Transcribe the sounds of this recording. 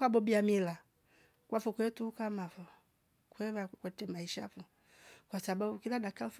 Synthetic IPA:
kabɔbiamila | kwafɔkwɛtukamafɔ | kwɛvakwɛtɛmaiʃafu | kwasababukiladakaf

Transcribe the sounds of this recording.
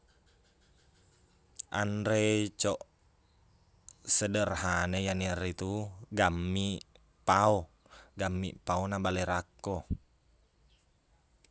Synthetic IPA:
ʔa̰ndɾet͡ʃɔʔ | sədərɦanejaniɾit̪uɡamːi | paɔ | ɡamːiʔpaonabalɛɾakːɔ

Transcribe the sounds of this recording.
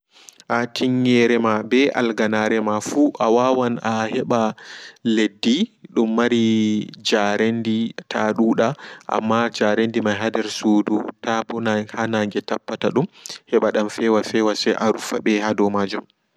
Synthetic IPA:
ʔatʰiŋːɛɾɛmabɛʔa̰lɡanaɾɛmafuʔawawanahɛɓaledːiɗumːaɾid͡ʒaɾenditʰaɗuːɗaʔa̰mːad͡ʒaɾendimaɦadɛɾsudutabɔnahanaŋɡɛtapːataɗumhɛɓaɗamfɛwafɛwasɛʔaɾufaɓɛhadɔmad͡ʒum

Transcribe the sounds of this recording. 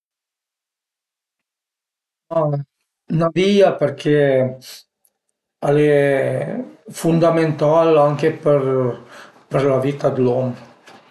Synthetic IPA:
a | naviapəɾkʰe | alɛ | fund̪ament̪alaŋkepəɾ | pəɾlavit̪ad̪lɔm

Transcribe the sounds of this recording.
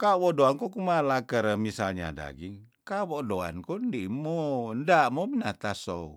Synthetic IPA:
kawɔʔdoankɔkumalakəɾəmisalɲa̰da̰ɡiŋ | kawɔdoa̰nkɔndiʔmɔndaʔmɔbinat̪aso̰

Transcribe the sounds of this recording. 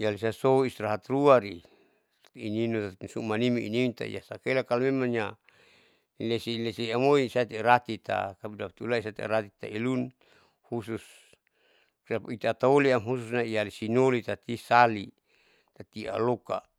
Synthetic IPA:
ijalisasouist̪ɾaɦat̪ɾuaɾi | ininosumanimiḭnimint̪a̰ḭa̰sakelakalamemaŋja | lesilesiamoisat̪iɾat̪it̪a̰kabudapt̪ulaisat̪ḭɾat̪i̥t̪ailun | husus | krapait̪at̪aoliamɦus̬usnaialisinolit̪at̪isali | t̪at̪ia̰loka̰

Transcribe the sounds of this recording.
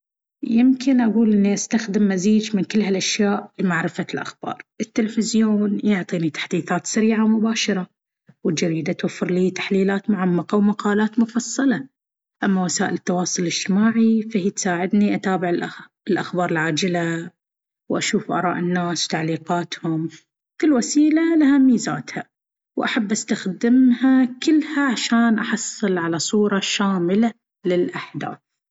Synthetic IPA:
jɪmkɪnʔaɡuːlʔɪnːiʔast̪axd̪ɪmːaziːd͡ʒmɪnkɪlːɦalʔaʃjaːʔlimaʕɾɪfalʔa̰xb̥ɑ̰ːɾˤʔɪt̪ːɪlfɪzjoːnjʊʕt̪ˤiːnit̪ḁħd̪iːθaːt̪saɾiːʕamʊbaːʃɑɾˤɑ | wɪd͡ʒaɾiːd̪at̪wafːɪɾliːt̪ḁħliːlaːt̪mʊʕamːɑqawmaqɑːlaːt̪mʊfɑsˤːɑlɑ | ʔamːawasaːʔɪlɪt̪ːɑwɑːsˤʊllɪd͡ʒ̥t̪ɪmaːʕifahit̪saːʕɪd̪niʔat̪aːbɪʕɪl | ɪlʔaxbɑːɾˤɪlʕaːd͡ʒɪla | wʔaʃuːfʔɑ̰ɾˤɑ̰ːʔɪnːaːswt̪aʕliːqɑːt̪hʊm | kɪlːwasiːlalahamiːzaːt̪ha | wʔaħabːʔast̪axd̪ɪmhakɪlːhaʕaʃaːnʔaħɑsˤːɨlʕalasˤuːɾˤɑʃaːmɪla | lɪlʔaħd̪a̰ːθ

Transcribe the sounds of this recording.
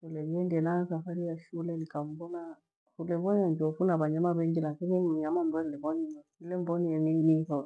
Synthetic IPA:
ʃulɛliɛndɛlasafaɾijaʃulɛlikambɔna | kulɛβɔɲaɲd͡ʒɔfunaβaɲamaβɛɲd͡ʒilakiniɲamambɔlɛβɔniilɛmbɔniɛninihɔ

